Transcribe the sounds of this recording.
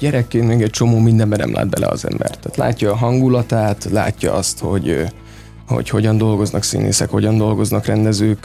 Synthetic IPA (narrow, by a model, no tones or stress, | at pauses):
ɟɛɾɛkːeːnmɛːɡɛc̚t͡ʃo̞moːmind̪ɛmbɛnɛ̰mlʔa̰ːd̪bɛlʔɛ̰ɒ̰zɛ̰mbɛ̰rt̪ːaːt̪la̰ːcːɒːɦɒŋɡulɒt̪aːt̪la̰ːcːɒɒst̪ho̞̰ɟ | ho̰cho̞ɟɒnd̪o̞lɡo̞znɒksḭːnḛːsɛkho̞ɟɒnd̪o̞lɡo̞znɒkrɛnd̪ɛzøːk